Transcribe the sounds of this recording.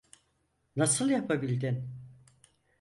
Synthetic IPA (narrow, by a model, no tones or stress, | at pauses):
nasɯlˠjapʰabilʲd̪in